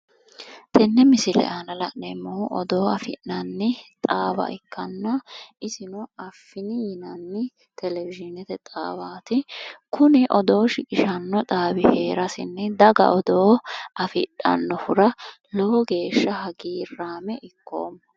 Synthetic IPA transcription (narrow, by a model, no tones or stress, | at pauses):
t̪ʰɛnːɛmɪsɪlɛ̰ʔaːnɐlɐʔnɛmːɔhʊʔɔd̪o̞ːɐfɪ̰ʔnɐnːɪt̪ʼaːbɐ̰ʔɪkʰːɐnːɐʔɪsɪnɔɐfːɪnɪjɪnɐnːɪ | t̪ɛlɛvɪʒɪnɛt̪ɛt̪ʼa̰ːbaːt̪ɪkʊnɪʔɔd̪o̞ːʃɪkʼɪʃɐnːɔt̪ʼaːbɪhe̞ːɾɐsɪ̰nːɛd̪ɐɡɐ̰ʔɔd̪oːʔɐfɪᶑɐ̰nːɔfʊɾɐ | loɡe̞ːʃːɐhɐɡiːrːaːmɛʔɪkːo̰ːmːɐ